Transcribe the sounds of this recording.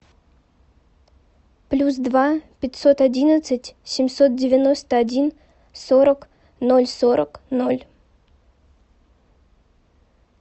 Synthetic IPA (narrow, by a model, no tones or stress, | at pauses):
plʲusd̪vapʲɪtʲso̞t̪ɐdʲinət̪sɨtʲsʲɪmʲso̞t̪̚dʲɪvʲɪno̞st̪əɐdʲin | soɾək | no̞lʲsoɾəkno̞lʲ